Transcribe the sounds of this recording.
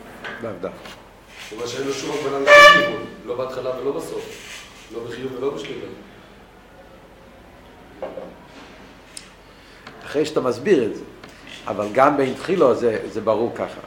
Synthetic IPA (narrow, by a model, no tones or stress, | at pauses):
lavda | umaʃeejnloʃumavananʃlimimlobɛat̪χalavelobasof | lobeχijuvvɛlobəʃlimi | aχʁeɪʃat̪amazbiʁɛtzɛ | a̰valɡambejnt̪χilazɛzɛbaʁuʁkaχa̰